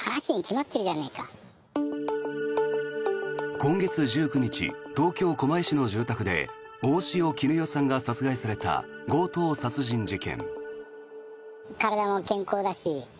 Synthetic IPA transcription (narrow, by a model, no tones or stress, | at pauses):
hanaɕiɲkʲimat̪ːe̞ɾɯ̟ʑanaika | kõ̞ŋɡe̞t͡sɨd͡ʑɨːkɯ̟ɲ̟it͡ɕḭt̪o̞ːkʲo̞ːko̞maiɕino̞d͡ʑɨːt̪akɯ̟d̪e̞̰ | o̞ːɕijo̞kʲinɯ̟jo̞sãŋɡasat͡sɨɡaisaɾe̞t̪a̰ɡo̞ːt̪o̞ːsat͡sɨʑĩɲ̟d͡ʑikẽ̞̰ŋ | kaɾad̪amo̞kẽ̞ŋko̞ːd̪aɕi